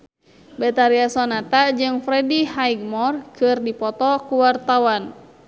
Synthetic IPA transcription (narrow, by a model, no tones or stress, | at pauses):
bɛt̪aɾiasɔnat̪ad͡ʒɨŋfɾɛdihaiɡ̚mɔrkɨrdipɔt̪ɔkuwart̪awan